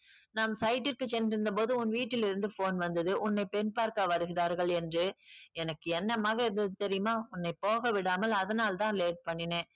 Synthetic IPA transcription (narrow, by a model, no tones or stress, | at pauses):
naːmsɐɪʈːɪɾkɯt͡ʃːɛnːɪɾɯnd̪ɐpoːðɯʊnʋiːʈːɪlɪɾɯnd̪ɯfoːnʋɐnd̪ɐðɯʔʊnːɐɪpɛnpaːɾkɐʋɐɾɯɣɪɾaːɾɣɐɭɛndrɯɛnɐkːɯɛnːɐmaːɣɐɪɾɯnd̪ɐðɯt̪ɛɾɪjɯmaːʊnːɐɪpoːɣɐʋɪɽaːmɐlɐðɐnaːlt̪ãːleːʈ̚pɐɳːɪnẽː